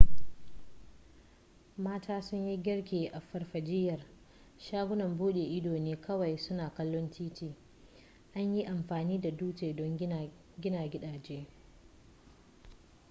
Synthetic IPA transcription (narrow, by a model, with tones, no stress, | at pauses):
maː˦taː˦sʊ˦ɲji˦ɡʲɪ˦rkʲeː˨ʔa˨ɸɐ˨rɸɐ˨d͡ʒɪ˦jɐ˨r | ʃaː˦ɡʷʊ˦nɐ˨mbuː˦ɗeː˨ʔɪ˦doː˨neː˦kʰɐ˦wɐ˨jsʊ˦naː˨kɐ˦lːɔ˦ntiː˦tiː˦ | ʔa˦ɲji˦ʔa˨mɸaː˨niː˦da˨duː˦teː˨dɔ˦ŋ | ɡʲɪ˦naː˨ɡʲɪ˦ɗaː˨d͡ʒeː˦